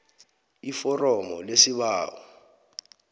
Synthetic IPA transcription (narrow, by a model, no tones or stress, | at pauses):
ifɔrɔmɔlesiɓaːwɔ